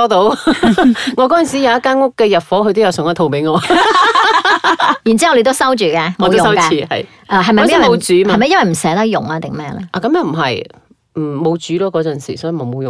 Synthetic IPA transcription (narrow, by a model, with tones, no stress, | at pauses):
ɔː˥t̪o˨˧˥w | ŋɔ˨˧kɔː˨˧˥t͡sɐ˨nsiː˨˥jɐ˨˧wɐ˥kːaː˥nŋʊ˥kːɛː˧jɐ˨t̚fɔː˨˥hʰɵ˧t̪o˥wjɐ˨˧wsŋɐ˥˩t̪ʰo˧wpe˨˥ɪjŋɔː˨˧ | jːnt͡siː˥hɐ˨wle˧t̪o˥wsɐ˥wt͡ʃyː˨˩kɛː˧mɔ˨tw̪jʊ˨sɐ˥wkɛː˧iː˨˧hɐ̰˨j | ʔɛː˧ɦɐ˨jmɐ˨˥jɐ˥wɐ˨o˨˧t͡syː˨˥mhaɐ˨˧jmɐ˨jɐ˥nwɐ˨˩m̩˨˩sɛː˨˥t̪ɐ˥k̚jʊ̰˨˩ŋlaː˧t̪ɪ˨˩ŋmɛː˥lɛ̰˥ʔa˨kɐ˨˧mjɐ˨˧˥m̩˨˩ɦɐ˨j | m̩˨˩mo˨˧wt͡syː˨˥lɔː˥kɔː˨˧t͡sɐ˨˩nsḭ˨˩sɔː˨˥jy˨mo˨˩mo˨˧wjʊ˨